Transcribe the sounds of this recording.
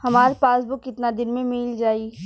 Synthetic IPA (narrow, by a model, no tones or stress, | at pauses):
hɐmaːɾpaːsbʊkɪt̪nad̪ɪnmẽmiːld͡ʒaːi